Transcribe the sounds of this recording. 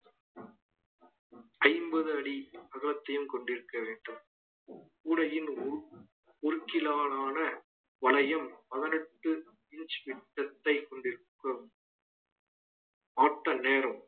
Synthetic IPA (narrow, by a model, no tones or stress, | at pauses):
ɐɪmbɐðɯɐɽiɐɣɐlɐt̪ːɐjɯmkɔɳɖɪɾɯkːɐʋeːɳɖɯm | kuːɽɐjɪn | ʊɾɯkːɪlaːnaːnɐ | ʋɐlɐjɐmpɐðɐnɛʈːɯ | ɪɲt͡ʃʋɪʈːɐt̪ːɐɪkɔɳɖɪɾɯkːɯm | aːʈːɐneːɾɐm